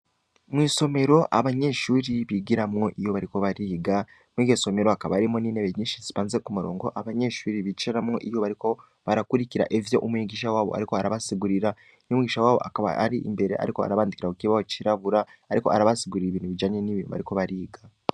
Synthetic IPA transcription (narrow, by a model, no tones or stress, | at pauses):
mwiːso̞me̞ɾo̞ʔaβaɲe̞ʃuːɾiβiɡiɾamŋo̞ʔijo̞βaɾiko̞βaɾiːɡa | mwiɡeso̞me̞ɾo̞akaβaaɾimoniːneβeɲiːʃiziβaːnzekumuɾo̞̰ːŋɡo̞ʔaβaɲe̞ʃuːɾiβit͡ʃeɾamŋo̞̰ʔijo̞βaɾiko̞ | βaɾakuɾiciɾa̰ʔevjo̞ʔumwiɡiʃawaːβo̞̰a̰ɾiko̞aɾaβasiɡuɾiɾa | niumwiɡiʃawaːβo̞ʔa̰kaβa̰a̰ɾiʔḭmbe̞ɾe̞ʔa̰ɾiko̞a̰ɾaβaːndikiɾakukiβahot͡ʃiɾaβuɾaːɾiko̞aɾaβasiɡuɾiɾiβiːnuβid͡ʒaːɲe̞niβiːnuβa̰ɾiko̞βaɾiːɡa